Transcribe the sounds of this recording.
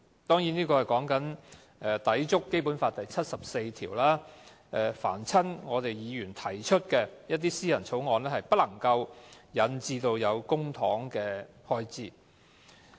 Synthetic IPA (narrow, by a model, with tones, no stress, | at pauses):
t̪ɔː˥ŋjiː˨˥niː˥kɔː˧hɐ˨jkɔː˨˥ŋkɐ˨˥n | ɛ˧t̪ɐ˨˥jt͡sʊ˥kːe˥jpuː˨˥nfaː˧t̚t̪ɐ˨jt͡sʰɐ˥t̚sɐ˨p̚se˧jt̪ʰḭː˨˩wlaː˥ | ʔɛ˨fa̰ː˨˩nt͡sʰɐ˥nŋɔː˨˧t̪e˨jjiː˨˧jyː˨˩nt̪ʰɐ˨˩jt͡ʃʰɵ˥t̚kɛː˧jɐ˥t̚t̪iː˥siː˥jɐ˨˩nt͡sʰo˨˥wŋɔː˨˧nlɛː˥hɐ˨jpɐ˥t̚lɐ˨˩ŋkɐ˧wjɐ˨˧nt͡siː˧t̪o˧wjɐ˨˧wkʊ˥ŋt̪ʰɔː˨˥ŋkɛː˧ | hɔː˧jt͡siː˧˩